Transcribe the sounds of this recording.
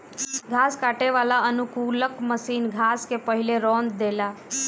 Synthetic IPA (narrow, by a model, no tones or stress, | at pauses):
ɡʱaskaʈeʋalaənukuləkməsinɡʱaskepəɦileɾɔ̃nd̪d̪ela